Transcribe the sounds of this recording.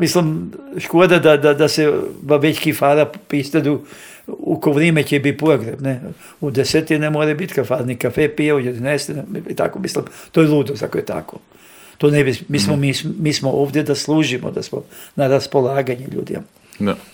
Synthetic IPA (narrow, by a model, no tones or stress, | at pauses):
mislimʃkoːd̪ad̪ad̪ad̪aseʋaʋeckifaːɾapist̪ed̪u | ṵkoʋɾemet͡ɕebit̪̚poɡɾebne | ud̪eset̪inemoɾajbit̪kafaɾnikafepijaujed̪inest̪init̪a̰komislimt̪ojelˠuːd̪osakojet̪ʰa̰ko | t̪oːnebismismomismiːsmoʔoːʋd̪jed̪aslˠuːʒimo̰d̪a̰smo̰naɾaspo̞laːɡaɲeʎṵːd̪ḭma̰